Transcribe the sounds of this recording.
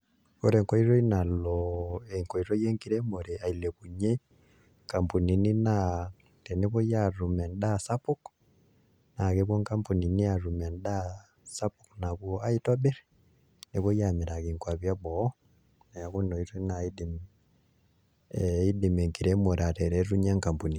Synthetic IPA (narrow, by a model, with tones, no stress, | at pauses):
ko˦ɾe˨ŋkɔ˦i˦ɾo˦i˦na˨lɔe˨ŋkɔ˨i˨ɾo˦je˦ŋkiɾe˦mo˨ɾe˨a˨i˨le˨ku˨ɲe˦ | ka˨mpu˨ni˨ni˦na˦ | te˨ne˦ko˦ja˦ɾu˨mɛ˨nda˦sa˦pu˦k | na˨ke˦βɔ˦ŋka˦mpu˨ni˨ni˦a˨ɾu˨mɛ˨nda˦ | sa˦pukna˨ku˦ɔ˦a˦i˦tɔ˦be˦ɾ | ne˨ko˦ja˨me˨ɾa˨ki˨ŋkwa˨βja˦bɔ˨˦ | na˨ja˨ku˦nɔ˨itɔ˦i˦na˨i˦dim | i˦di˨me˨ŋkiɾɛ˦mo˨ɾa˨tɛ˨ɾɛ˦ɾu˦ɲa˦ŋka˨mpu˨ni˨